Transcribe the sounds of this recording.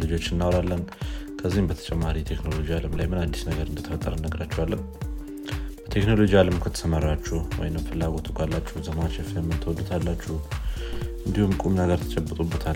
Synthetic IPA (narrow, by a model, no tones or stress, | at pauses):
lɨd͡ʒot͡ʃːɪnːawɾalːənkʰəzːihmbət̪ʰə̥t͡ʃʼɛmːaɾit̪ʰekno̞lo̞d͡ʒialəmlajmɨnad̪ːi̥snəɡəɾɨnd̪ət̪ʰəfət̪ʼːəɾənəɡɾat͡ʃːɛwalːəm | b̥ət̪ʰe̞kno̞lo̞d͡ʒialəmkʰət̪ʰə̥səmaɾat͡ʃːuhwɔ̰jnəmfɨlːaɡo̞t̪ʰukʼalːat͡ʃːuzəmat͡ʃːɛfejɛmːɨnt̪ʰəwɔd̪ut̪ʰalːat͡ʃːɛ | ʔɨnd̪ihumkʼumnəɡəɾt̪ʰə̥t͡ʃʼɛbːət̪ʼubːət̪ʰal